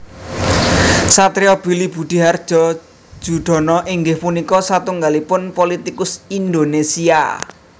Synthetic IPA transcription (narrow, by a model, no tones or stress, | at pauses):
sat̪ɾeɔb̥i̤lib̥ṳd̪̥i̤ɦard̥ʒ̥ɔ̥ | ʒ̥uɖ̪̥ɔ̤nɔʔiŋɡɪhpunikɔsat̪uŋɡalipʊnpolit̪ikʊsind̪onesia̰